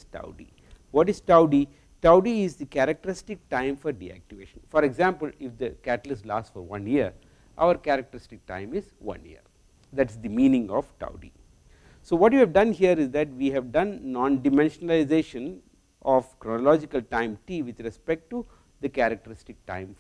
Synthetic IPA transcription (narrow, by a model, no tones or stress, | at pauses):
ʈa̰ʊɖḭ | ʋɔːʈɪzʈaʊɖi | ʈaʊɖiɪzd̪ikæɾɐk̚ʈəɾɪsʈɪk̚ʈãɪ̃mfɔɾɖḭæ̰k̚ʈiʋḛːʃə̃nfɔɾeɡzãːmpəlɪfd̪əkæʈəlɪslaːsʈfɔɾʋʌ̃niəɾ | ʔa̰ʊəɾkæɾɐk̚ʈəɾɪsʈɪk̚ʈã̰ɪ̃mɪzʋʌ̰̃nḭə̰ɾ | d̪æʈɪsd̪imĩːnĩŋɡɔʋʈa̰ʊɖḭ | soːʋɔːʈjiɛʋɖʌ̃nɦiəɾɪzd̪æʈʋiːɦɛʋɖʌ̃nnɔ̃ːnɖɪmɛ̃nʃənəlaɪzeːʃə̃n | ʔɔʋkɾɔnɔlɔːd͡ʒikəlʈãɪ̃mʈiːʋɪd̪ɾɛspek̚ʈʈːu | d̪əkæɾɐk̚ʈəɾɪsʈɪk̚ʈã̰ɪ̃m